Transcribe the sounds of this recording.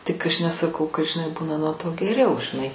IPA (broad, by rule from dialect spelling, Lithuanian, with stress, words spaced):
tʲɪk ˈɐʃ nʲɛsɐˈkɐʊ kɐt ʒʲɪˈnɐɪ ˈbuːnɐ nuɔ toː ɡʲɛˈrʲɛʊ ʒʲɪˈnɐɪ